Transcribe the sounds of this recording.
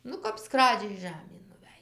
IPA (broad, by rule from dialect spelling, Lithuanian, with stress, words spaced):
ˈnʊ kɐp ˈskrɑːd͡ʒʲɛɪ ˈʒɑːmʲeːn nʊˈʋʲæj